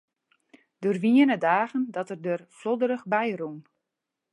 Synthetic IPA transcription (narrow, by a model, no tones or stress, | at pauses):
d̥ørʋiənədaːɣəndɔtərdərflodəɾəxbɛjrun